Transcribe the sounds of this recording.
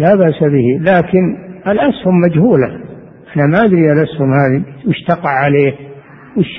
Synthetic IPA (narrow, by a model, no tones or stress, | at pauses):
labaʔsabɪhilaːkɪnalʔashʊmːad͡ʒhuːla | ʔanamaʔad̪ɾialʔashʊmhaːðiwɪʃt̪ɑqɑʕːaleːh | wɪʃ